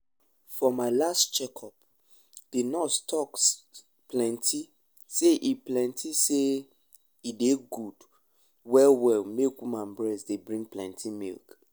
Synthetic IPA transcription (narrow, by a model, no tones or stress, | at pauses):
fɔmaɪlastt͡ʃɛkʰɔp | d̥inɔstʰɔks | plɛ̃ntʰi | seʔiplɛ̃ntʰise | ideɡud | wɛwɛlmekwimãnbɹɛsdebɹĩŋplɛ̰̃ntʰimḭlk